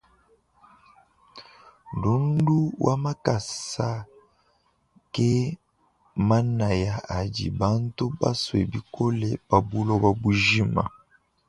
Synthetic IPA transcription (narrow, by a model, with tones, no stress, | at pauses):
du˨˦n˦du˦wʔa̰˦ma˦ka˨sa˦ | ke˦ | ma˦na˨ja˨a˨dḭ˨ba˦n˦to˦ba˦swḛ˨bi˨ko˦lɛ˦b̥a˨bu˦lɔ˦ba˦bu˦ʒi˦ma̰˨